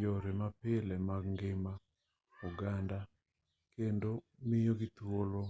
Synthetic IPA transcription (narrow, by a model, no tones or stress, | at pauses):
joɾemapɪlɛmaɡŋɡɪma | uɡanda | kendomɪjoɡɪtwolo